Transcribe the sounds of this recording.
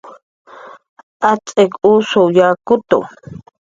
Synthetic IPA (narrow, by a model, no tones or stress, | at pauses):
ʔat͡sʼekusojaːkʊt̪o̰